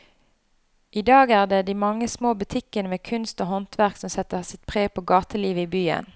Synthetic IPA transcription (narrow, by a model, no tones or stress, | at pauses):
ʔiːd̪ɑːɡæːʁd̪eːd̪iːmɑŋːəsmoːbʉt̪ʰɪkənəmeːkʰʉnst̪oːhɔnt̪ʰʋæʁksɔmsɛt̪əsɪt̪̚pʰʁeːpʰoːɡɑːt̪əliːʋəiːbyːə̰n